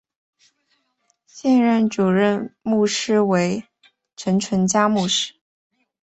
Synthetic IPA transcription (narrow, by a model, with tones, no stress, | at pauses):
ɕjɛ˥˧nɻə˥˩nʈ͡ʂu˨˩ɻə˥˧nmu˥˩ʂɻ̩˥we˧˥ɪ | ʈ͡ʂʰwə˧˥nʈ͡ʂʰwə˧˥nt͡ɕja˥mu˥˧ʂɻ̩˥˩